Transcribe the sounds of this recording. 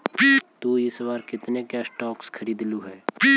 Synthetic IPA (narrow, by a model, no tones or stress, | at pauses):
t̪uːisɐʋaːɾkɪt̪nekɛːsʈɔːkskʰɐɾiːd̪luɦɛː